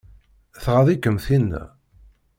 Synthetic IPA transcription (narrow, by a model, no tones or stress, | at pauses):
θʁaðˤikːəmθinːæ̰